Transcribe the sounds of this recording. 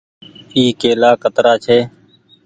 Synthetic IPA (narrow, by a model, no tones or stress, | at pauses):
iːkeːlaːkət̪ɾaːt͡ʃʰeː